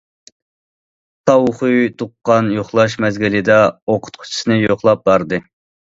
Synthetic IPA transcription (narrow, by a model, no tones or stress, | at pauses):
t̪ʰɑwχujt̪ʰuqːɑnjoχlˠɑʃmɛzɡʲilɪd̪ɛoqʰʊ̥t̪̚qʰʊ̥t͡ʃʰi̥sɨnɨjoχlˠɑp̚bɑɾd̪ɨ